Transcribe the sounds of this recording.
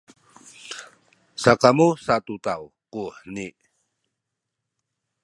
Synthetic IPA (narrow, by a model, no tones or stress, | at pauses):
sakamusat̪ut̪aw | kuħəni